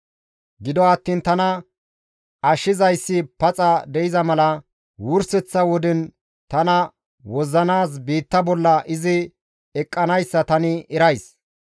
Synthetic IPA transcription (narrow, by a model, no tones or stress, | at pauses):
ɡɪd̪ɔɐt̪ːiːnt̪ɐnɐ | ʔɐʃɪzɐjsːɪpɐt͡sʼɐd̪ɛɪzɐmɐlɐ | wʊɾsɛt͡sːɐwɔd̪ɪn | t̪ɐnɐ | wɔzːɐnaːs̬biːt̪ːɐbɔlːɐʔɪzɪ | ɛkʼːɐnɐjsːɐt̪ɐnɪɛɾɐjs